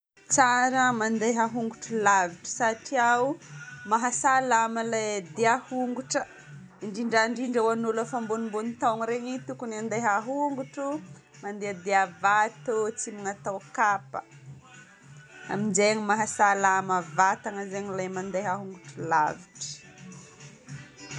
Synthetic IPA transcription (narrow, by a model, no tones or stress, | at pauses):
t͡saɾəmand̪ejɦaɦuŋɡuʈ͡ʂulaviʈ͡ʂə̥saʈ͡ʂiaumaɦasalaməlad̪eahuŋɡuʈ͡ʂə | iɳɖ͡ʐiɳɖ͡ʐaɳɖ͡ʐiɳɖ͡ʐawanulafambonimbonit̪aŋɾeɲit̪ukuniand̪eɦaɦuŋɡuʈ͡ʂu | mand̪ead̪eavat̪ot͡simiŋat̪awkapə̥̰ | a̰mind͡ʒeɲimaɦasalaməvat̪aŋəzeɲilajmand̪eɦaɦuŋɡuʈ͡ʂula̰viʈ͡ʂə̥